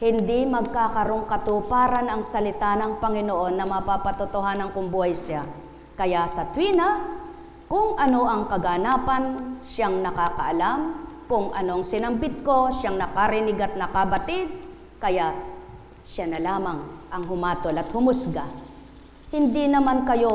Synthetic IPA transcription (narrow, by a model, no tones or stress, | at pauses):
hɪnd̪imɐɡ̚kakɐɾoŋkɐt̪upaːɾɐnɐŋsɐlɪt̪anɐŋpɐŋɪnoʔo̞nːɐmɐpapɐt̪ʊt̪oɦaːnɐŋkʊŋbuːhɐjʃja | kɐjasɐt̪wiːnɐ | kʊŋɐno̞ʔɐŋkɐɡanaːpɐnʃaŋnɐkaːkɐ̰ʔɐlamkʊŋʔɐno̞ʔɐŋsɪnɐmbɪt̪̚ko̞ʃaŋnɐkaɾɪnɪɡat̪̚nɐkɐbɐt̪ɪd̪̚ | kɐja | ʃanɐlaːmɐŋʔɐŋɦʊmaːt̪olɐt̪hʊmʊsɡa | hɪnd̪inɐmankɐjo̞